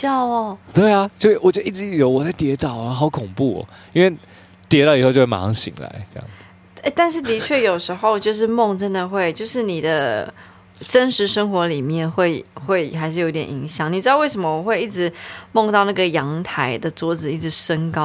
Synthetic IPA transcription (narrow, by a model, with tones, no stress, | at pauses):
jɑ˥˩ʊɐ˩t̪we˥˩ɪa˨t͡ɕo˥˧wt͡ɕɥdə˦i˥˩ʈ͡ʂɻ̩˧i˥jo˨˧˦wɔ˨˩t͡sa˥˩ɪt̪jɛ˧˥t̪ɑ˨˩ʊ˧xɑ˨˥ʊkʰʊ˨˩ŋpu˥˩ɔ̰˨˩ | i˥nwe˥˩ | t̪jɛ˧˥t̪ɑ˥˩ʊi˨xo˥˧jo˥˧wma˨˥˩ɑ˥ŋɕḭ˨˩˦ŋla̰˧˦ɪʈ͡ʂjɑ̰˩ŋ | e˥˧ɪt̪a˥˧nʂ̬ɻ̩˥˩t̪i˧˥t͡ɕʰɥɛ˥˩jo˨˩ʊʂɻ̩˧˥xo˥˧ʊt͡ɕjo˥˧ʊʂ̬ɻ̩˥˧mɔ˥˧ŋʈ͡ʂə˥nd̪ə˨xwe˥˧ɪt͡ɕjo˥˧ʊʂɻ̩˥˩ni˨˩d̪ə˦ | ʈ͡ʂə˦˥nʂɻ̩˧˥ʂə˥ŋxwɔ˧˥li˨˩mjɛ˥˨nxwe˥˧ɪxwe˥˩ɪxa˧˥ɪʂɻ̩˥˩jo˨˥t̪jɛ̰˨˩ni˧˥ŋɕjɑ˨˩˦ŋni˨˩ɻ̩˧˥ɑ˥˧we˥˩ɪʂ̬mə˧wɔ˨˩xwe˥˧ɪi˥˩ʈ͡ʂɻ̩˧˦mɔ˥˧ŋt̪ɑ˥˧ʊna˥˩ɡə˩jɑ˧˥ŋt̪ʰa˧˥ɪd̪ə˨t͡swɔ˧˥ʈ͡ʂɻ̩˨˩i˥˩ʈ͡ʂɻ̩˧˩˦ʂə˥nkɑ˥